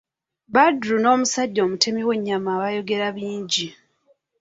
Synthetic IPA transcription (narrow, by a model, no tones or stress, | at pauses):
badɾuno̞ːmusaɟːo̞ːmutʰe̞miwe̞ɲːamaːβajo̞ɡe̞ɾaβiːɲɟi